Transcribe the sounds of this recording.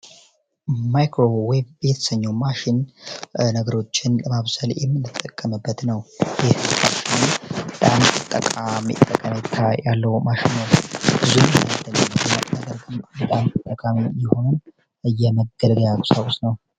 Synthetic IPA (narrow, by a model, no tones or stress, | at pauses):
majkɾo̞webbɛt̪ʰə̥səɲːowmaʃɪn | nəɡəɾo̞t͡ʃːɪnləmaβsəljɛ̰mːɨnːɨt̪ʼːəkʼːəmɨbːət̪nəwjɪhkʰatinbət̪ʼamɨt̪ʼːəkʼamḭt̪ʼːəkʼːəmet̪ʰːajalːəwmaʃɪnːəwbɨzumd̪ələmːɨd̪mːət̪mad̪əɾɡɨmbət̪ʼamɨt̪ʼːəkʼamijɪho̞nɨn | ɨjːɛməɡːəlɡ̪əjakʼsawusnəw